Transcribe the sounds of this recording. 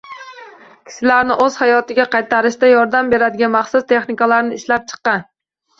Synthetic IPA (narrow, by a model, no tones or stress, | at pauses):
kʲʰɪ̥ʃɪlaɾnɪʔɵz̥hajɒt̪ɪɡʲaqʰɑjt̪ʰaɾɪʃt̪ajɒɾd̪ambe̞ɾad̪ɪɡʲanmɑχsʊst̪ʰe̞χnɪkalaɾnɪːʃlap̚t͡ʃʰɨ̥qːɑn